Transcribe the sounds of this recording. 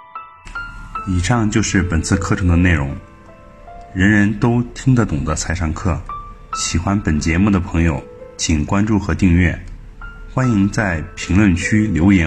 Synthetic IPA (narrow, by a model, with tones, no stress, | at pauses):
i˨˩ʂɑ˥˧ŋt͡ɕjo˥˧ʊʂɻ̩˥˩pə˨˩nt͡sʰɹ̩˥˧kʰɤ˥˩ʈ͡ʂʰɤ˧˥ŋd̪ə˧ne˥˩ɪɻʊ˧˥ŋ | ɻə˧˥nɻə˧˥nt̪o˥ʊt̪ʰi˥ŋd̪ə˨t̪ʊ˨˩ŋd̪ə˦t͡sʰa˧˥ɪʂɑ˥˧ŋkʰɤ˥˩ɕi˨˩xwa˥npə˨˩nt͡ɕjɛ˧˥mu˥˩d̪ə˩pʰɤ˧˥ŋjo˨˩ʊt͡ɕʰi˨˩ŋkwa˥nʈ͡ʂu˥˩xɤ˧˥t̪i˥˧ŋɥɛ˥˩ | xwa˥ni˧˥ŋt͡sa˥˩ɪpʰi˧˥ŋlwə˥˩nt͡ɕʰy˥ljo˧˥ʊjɛ˧˥